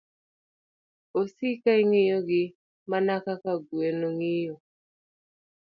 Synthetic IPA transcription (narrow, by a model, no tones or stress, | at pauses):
osikaiŋɪjoɡɪ | manakakaɡwenoŋɪjo